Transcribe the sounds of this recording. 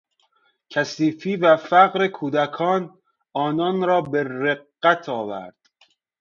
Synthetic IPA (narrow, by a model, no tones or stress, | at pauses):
cʰæsiːfiːvæfæɣɾekʰuːd̪ækʰɒːn | ɒːnɒːnɾɒːbeɾeqːæt̪ʰɒːvæ̰ɾd̪̥